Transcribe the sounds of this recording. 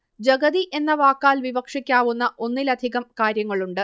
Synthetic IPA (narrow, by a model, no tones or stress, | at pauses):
d͡ʑɐɡɐðiʔe̞nːɐʋaːkːaːlʋibɐkʂikʲːaːʋunːɐʔo̞nːilɐd̪ʱiɣɐmkaːɾjɐŋːɐɭuɳɖɨ